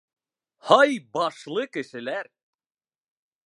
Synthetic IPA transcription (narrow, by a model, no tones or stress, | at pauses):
hɑjbɑʃlˠɤkɘ̆ʃɘ̆læɾ